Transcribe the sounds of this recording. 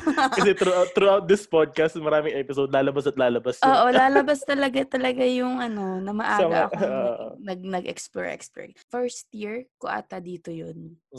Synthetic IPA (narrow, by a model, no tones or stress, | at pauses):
kɐsɛt̪ɾuʔat̪ːɾuʔawt̪̚d̪ɪspod̪̚kɐst̪̚mɐɾaːmɪŋɛpɪsod̪̚laːlɐbasɐt̪̚laːlɐbasoːʔolaːlɐbɐst̪ɐlɐɡat̪ɐlɐɡajʊŋʔɐno̞nɐmɐʔaːaa̰ɐ̰koʔnɐɡ̚nɐɡʔɛ̰ksplo̰ɹʔɛ̰kspɛ̰fɛɹst̪jiɹkʊʔa̰ːt̪ɐd̪iːt̪ojon